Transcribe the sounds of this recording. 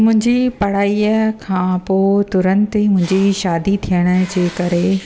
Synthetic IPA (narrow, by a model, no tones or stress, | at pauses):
mʊ̃ɦɪ̃ɲd͡ʑipɐɽ̤aːiəkʰãːpoːt̪ʊɾə̃nt̪imʊ̃ɦɪ̃ɲd͡ʑiʃaːd̪it̪ʰijəɽ̃ə̆d͡ʑeːkɐɾe